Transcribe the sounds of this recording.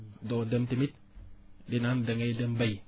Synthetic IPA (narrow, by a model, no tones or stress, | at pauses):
dɔdəmtimit̚ | dinandəŋejdəmbaj